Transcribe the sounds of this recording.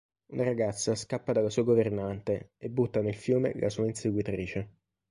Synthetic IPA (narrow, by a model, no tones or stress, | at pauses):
unʔaɾaɡat̪sːaskapːad̪alasuːaɡovernant̪eebːut̪ːanelfjuːmḛla̰suːainseɡwit̪ɾiːt͡ʃe